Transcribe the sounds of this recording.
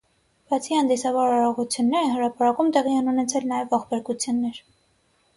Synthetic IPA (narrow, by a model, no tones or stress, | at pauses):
b̥ɑt͡sʰihɑnd̪isɑvɑɾɑɾɔʁut͡sʰjunːɛɾɛhəɾɑpɑɾɑkumt̪ɛʁiɛnunɛt͡sʰɛlnɑjɛvːɑχbɛɾkut͡sʰjunːɛɾ